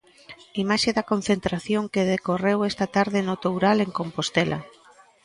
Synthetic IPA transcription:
imaʃeðɐkon̟θent̪ɾaθjoŋkeðekorewɛst̪ɐt̪aɾðɪnot̪owɾaleŋkompost̪elʔɐ̰

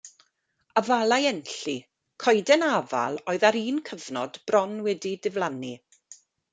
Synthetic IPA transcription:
avalˠajɛnɬi | kʰɔjdɛnava̰lˠoːɨðaɾiːnkʰəvnɔdb̥rɔnwɛdidɪvlˠani

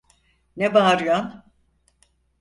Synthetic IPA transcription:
nebaɾjan

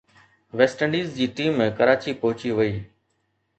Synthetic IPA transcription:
ʋeːsʈəɳɖiːzd͡ʑiːʈiːmːẽːkəɾaːt͡ɕiːpɐɦʊt͡ɕiʋəiː

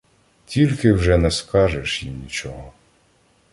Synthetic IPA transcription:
tʲilʲkɪwʒɛnɛskɑʒɛʃjḭmnʲit͡ʃɔɦɔ

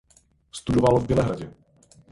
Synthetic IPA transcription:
st̪udovalovbjɛlɛɦɾaɟɛ

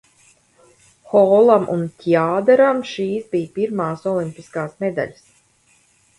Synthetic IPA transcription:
xɔːlˠamʔṵnt̪ʲiaːd̪ɛɾamʃiːsbijpiɾmaːsɔlimpʲiskaːsmɛd̪a̰ʎʲs

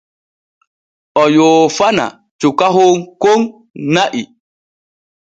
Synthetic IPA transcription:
ɔjoːfana̰ | t͡ʃukaɦoŋkoŋ | naʔi

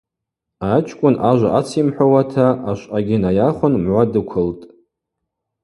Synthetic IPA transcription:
at͡ʃʷʰʼkʷʼʊnaʒʷa̰ʔat͡sʰimħʷᶣawatʰaaʃʷʼʔaɡʲɪnajaχʷʊnmʕʷadɨkʷʰʊltʼ

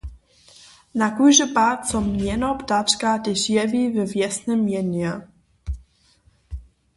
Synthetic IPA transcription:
nakujʒəpatsɔmɲɛnɔptat͡ʃkadɪʃjɛvivɛvjɛsnəmjɛnɛ

